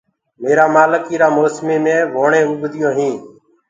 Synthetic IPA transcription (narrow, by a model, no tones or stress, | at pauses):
meːɾaːmaːləkiːɾaːmoːsmiːmẽːʋoːɳẽːʊɡd̪ɪjõːɦĩː